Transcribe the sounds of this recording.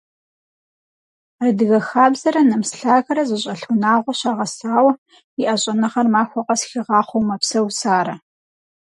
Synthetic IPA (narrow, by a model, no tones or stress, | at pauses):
rɨdɨɣɐxaːbzɐɾɐnɐmsɬaːɣɐɾɐzɨɕʼɐɬunaːʁʷɔɕaːʁɐsaːwɐ | ɪʔɐɕʼɐnɐχɐrmaːxʷɔqʼɐsxɪʁɑːχʷowmɐpsɐwsaːɾɐ